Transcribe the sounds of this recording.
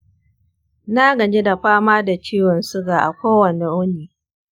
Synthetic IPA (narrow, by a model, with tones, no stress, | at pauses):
na˦ɡɐ˨d͡ʒe˦da˨ɸaː˦maː˦da˨t͡ʃiː˦wɐ˨nsʊ˦ɡaː˨ʔa̰˨kʷoː˦wɐ˨ne˨ʔʊ˦niː˨